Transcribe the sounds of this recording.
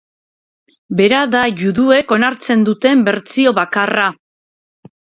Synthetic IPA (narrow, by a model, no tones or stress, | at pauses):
be̞ɾaðaʝuðue̞ko̞naɾt͡se̞nd̪ut̪e̞mbe̞ɾt͡sio̞βakara